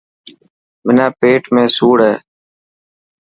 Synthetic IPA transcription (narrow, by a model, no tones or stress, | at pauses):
mɪnaːpeːʈmẽːsuːɽɦeː